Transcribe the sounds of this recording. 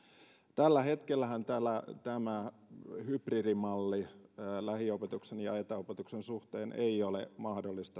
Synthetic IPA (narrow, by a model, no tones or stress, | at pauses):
t̪ælːæhet̪kelːæhænt̪ælːæt̪æmæ | hypririmɑlːilæhiopet̪uksenjɑet̪æopet̪uksensuht̪eːnʔḛiolḛmɑhdolːist̪ɑ